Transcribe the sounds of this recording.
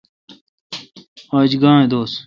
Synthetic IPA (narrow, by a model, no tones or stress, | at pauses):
aːd͡ʑɡãːẽd̪oːs